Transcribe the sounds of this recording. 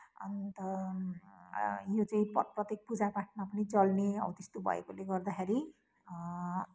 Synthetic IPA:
ʌ̰nt̪ʌ | jot͡sʌĩpprʌt̪jek̚pud͡zapaʈ̚ʰmapʌnit͡sʌlneʌ̰bʌt̪est̪obʱʌ̰ḛkoleɡʌrd̪akʰeɾi

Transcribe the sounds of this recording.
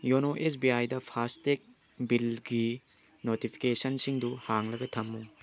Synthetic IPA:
jonoʔes̬biajdɐpʰastek̚ | bilɡi | notipʰi̥kesɐnsiŋduhaŋlɐɡɐtʰɐmːu

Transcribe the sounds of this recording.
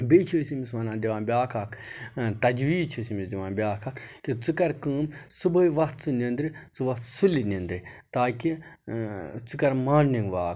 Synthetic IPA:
bit͡ʃʰəsimisʋɐnaːd̪iʋãːnbʲaːkʰakʰt̪ɐd͡ʒʋiːt͡ʃʰisimisd̪ʲiʋãːnbʲaːkʰakkit͡sɨkɐɾkɨːmsɨbɐiʋɐt̪̚ʰt͡sɨnind̪ɾit͡sɨʋɐt̪ʰsulinind̪ɾit̪aːki | t͡sɨkɐɾmaːnniŋɡʋaːk

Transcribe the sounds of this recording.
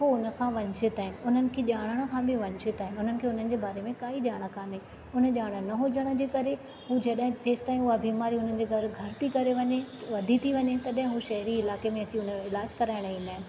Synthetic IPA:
ɦoʊnə̆kʰãːʋɐɲsɪt̪aːɦɪnɪ̆ʊn̤ənɪ̆kʰeːʄaːɽ̃əɽ̃ə̆kʰãːbɪʋɐɲʃɪt̪aːɦɪnɪʊn̤ənɪ̆kʰeːʊn̤ənɪ̆d͡ʑeːbaːɾemẽkaːiʄaːɽ̃əkʰãːne | ʊnə̆ʄaːɽ̃ə̆nɐɦod͡ʑəɽ̃ə̆d͡ʑeːkɐɾe | ɦud͡ʑɐɗɦɪ̃d͡ʑeːst̪aːĩuabiːmaːɾiʊnənɪ̆d͡ʑeːɡʱɐɾɡʱɐɾt̪ʰikɐɾeʋɐɲeʋɐd̪ʱit̪ʰiʋɐɲet̪ɐɗɦɪ̃ɦuʃɐɦɾiɪlaːkemẽɐt͡ɕiʊnəɪlaːd͡ʑkɐɾaːɪɽ̃əĩːnd̪aːɦɪnɪ̆

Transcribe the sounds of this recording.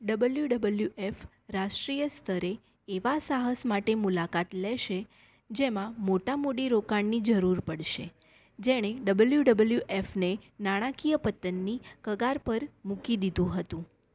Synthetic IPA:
ɖəbəljuɖəbəljuʔef | ɾaʃʈɾijəst̪ʰəɾeː | ʋasaɦəsmaʈemulakat̪lɛʃe | d͡ʒemãmoʈamoɽiɾokaɳnid͡ʒəɾuɾpəɽʃe | d͡ʒeɽ̃eɖəbəljuɖəbəljuʔefnenaɽ̃ãkijəpət̪ənːikəɡaɾpəɾmũkid̪id̪ũɦət̪ũ

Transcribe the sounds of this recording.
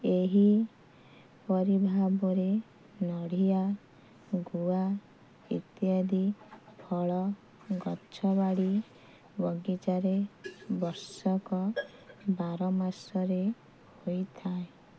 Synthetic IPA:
eɦi | pɔɾibʱabɔɾe | nɔɽ̤ija | ɡua | ḭt̪jad̪ipʰɔɭɔ | ɡɔt͡ʃʰɔβaɽi | bɔɡit͡ʃaɾebɔɾsɔkɔ | baɾɔmaɾsɔɾe | hojt̪ʰae

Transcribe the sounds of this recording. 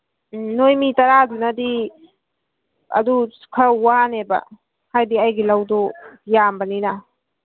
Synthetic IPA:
nojmitɐɾadunɐdi | ɐ̰duskʰawanebɐ̰ | hajdiajɡilawdɔjambɐninɐ

